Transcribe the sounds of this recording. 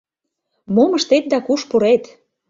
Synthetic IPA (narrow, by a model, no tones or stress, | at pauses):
moməʃt̪et̪̚d̪ɑkuʃpuɾet̪